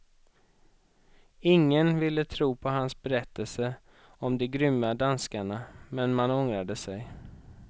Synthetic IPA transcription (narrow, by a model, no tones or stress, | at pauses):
ɪŋːənvɪlːət̪ʰɾuːpʰɔɦansbɛɾɛt̪ːəlsə | ɔmd̪ɛɡɾʏmːad̪anskaɳamɛnmanɔŋɾad̪əsɛj